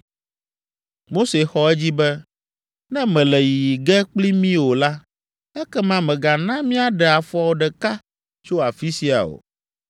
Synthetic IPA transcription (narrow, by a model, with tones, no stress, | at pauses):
mo˦se˨xɔ˦ɛ˦d͡ʑi˦bɛ˦ | nɛ̃˦mɛ̃˨lɛ˨ji˨i˨ɡɛ˦k͡pli˦mĩ˦wo˨la˦ | ɛ˦kɛ˦mã˦mɛ̃˨ɡa˨nã˦mĩ˦a˦ɖɛ˨a˨fɔ˦a˨wo˨ɖɛ˨ka˦ | t͡ʃo˦a˨fi˦si˦a̰˨o̰˨